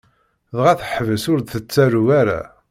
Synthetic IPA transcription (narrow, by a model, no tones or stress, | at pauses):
ðʁæθəħvəsʊɾθət͡sːæɾuwæɾa̰